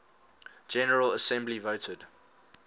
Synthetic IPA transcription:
d͡ʒɛnəɹələsɛ̃mblivoʊtʰəd̥

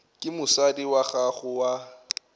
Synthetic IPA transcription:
kʼɪmʊsadiwaχaχʊwa

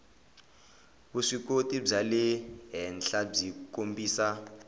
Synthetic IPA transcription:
buʂik̬ʼotʼib͡ʐalɛɦɛnɬab͡ʐikombiːsa

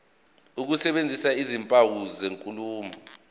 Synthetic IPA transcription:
uk̬usɛɓend͡zʱisaizimpʼawuzeŋkʼuluːmɔ

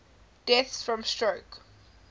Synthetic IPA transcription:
d̥ɛθsfɹɔ̃mstɹoʊk

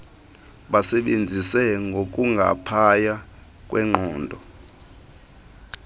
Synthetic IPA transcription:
ɓasɛɓend͡zʱisɛŋɡʱok̬ʼuŋɡʱa̰pʰaja | kʼwʔɛŋ͡ǃɔːndʱɔ

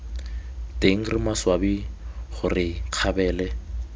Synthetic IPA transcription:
tʼeŋ̩rɪmaswabiχʊrɪq͡χʰabɛːlɛ

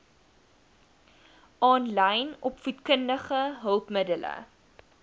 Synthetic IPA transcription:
ʔɑːnlɛjnɔpfutkəndəχəɦəlˠpmədələ̰

